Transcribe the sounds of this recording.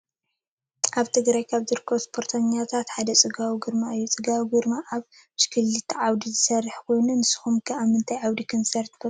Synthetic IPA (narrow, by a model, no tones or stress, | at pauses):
ʔaβt̪ʰɨɡɾajkʰaβzɨɾkʰːɐβspʰo̞ɾt̪ʰɐɲːat̪ʰat̪ħad̪ɐt͡sʼɨɡawiɡɨɾmaɨjːut͡sʼɨɡawiɡɨɾmaʔaβ | ʃkʰɨlːɨt̪ʰʕawd̪izɨsɐrːɨħkʰo̞jnunɨsɨ̥xumkʰɐamɨnt̪ʰajʕawd̪ikʰonsɐɾt̪kʰɐ